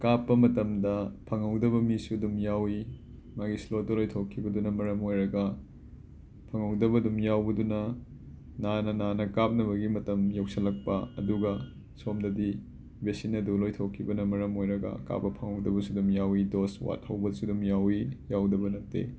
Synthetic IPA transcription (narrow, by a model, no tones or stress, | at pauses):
kapːɐmɐtɐmdɐpʰɐŋɐwdɐβɐmisudumjawi | maɡislodolojtʰokʰːibɐdunɐmɐɾɐmojɾɐɡɐ | pʰɐŋɐwdɐβɐdumjawbɐdunɐ | nanɐnanɐkap̚nɐβɐɡimɐtɐmjow̚sɐlɐk̚pɐɐ̰duɡɐ | somdɐdi | besinɐdulojtʰokʰːibɐnɐmɐɾɐmojɾɐɡɐ̰ka̰pːɐpʰɐŋɐwdɐbɐsudumjawidoswa̰t̚hɐwbɐlsudumjawijawdɐbɐnɐt̚tḛ